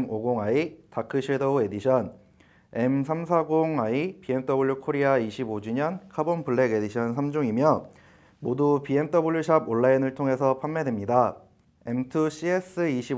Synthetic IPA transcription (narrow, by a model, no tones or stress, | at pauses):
moɡoŋaitakʰɯɕʰiɭdʌue̞diɕʰʌn | e̞msʰamsʰaɡoŋaipie̞mt͈ʌbuɭjukʰoɾiaiɕʰibod͡ʑiɲʌnkʰabonpuɭːe̞ɡe̞diɕʰʌnsʰamd͡ʑoŋimjʌ | modupie̞mt͈ʌbuɭːuɕʰaboɭːainɯɭtʰoŋe̞sʰʌpʰanmːe̞demɲida | e̞mtʰɯɕ͈ʰies͈ɯiɕʰi